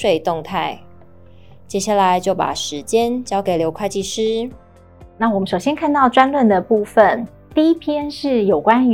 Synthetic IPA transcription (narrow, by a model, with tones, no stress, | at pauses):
ʂwe˥˧ɪt̪ʊ˥˧ŋt̪ʰa˥˩ɪ | t͡ɕjɛ˥ɕja˥˩la˧˦ɪt͡ɕjo˥˩ʊpa̰˨˩ʂɻ̩˧˦t͡ɕjɛ˦nt͡ɕjɑ˥ʊke˨˩ɪljo˧˥ʊkʰwa˥˧ɪt͡ɕi˥˩ʂɻ̩˥ | na˥˩wɔ˨˩mə˦ʂo˨˩ɕjɛ˥nkʰa˥˧nt̪ɑ˥˩ʊʈ͡ʂwa˥nlwə˥˩nd̪ə˩pu˥˩fə˨n | t̪i˥˩i˦˥pʰjɛ˥nʂɻ̩˥˩jo˨˩ʊkwa˦n